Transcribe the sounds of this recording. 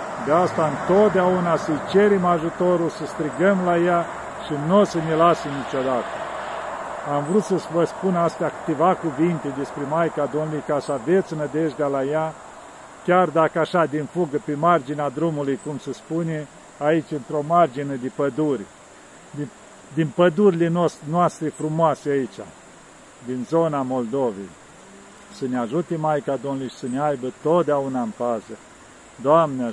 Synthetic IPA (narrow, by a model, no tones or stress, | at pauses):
d̪east̪aɨnt̪o̞t̪̚d̪eaunasəjt͡ʃe̞ɾemaʒut̪o̞ɾulsəst̪ɾiɡəmlaja | ʃinosənelasemnit͡ʃo̞d̪at̪ə | amvɾut̪səsvəspunast̪eakɨ̥t̪e̞vakuvint̪ed̪e̞spɾemajkad̪onulijkasave̞t̪sʲnəd̪eʒd̪alaja | kʲard̪akəaʃad̪infuɡəpemard͡ʒinead̪ɾumulujkumsəspunʲe | ait͡ʃʲɨnt̪ɾo̞mard͡ʒined̪epəd̪urʲ | d̪inpəd̪uɾilenonoast̪ɾifɾumoaseait͡ʃʲa̰ | d̪inzo̞namo̞ld̪o̞vḛj | səneaʒut̪emajkad̪onlujʃi̥səneajbət̪o̞t̪̚d̪eaunaɨnpazə | d̪oamnea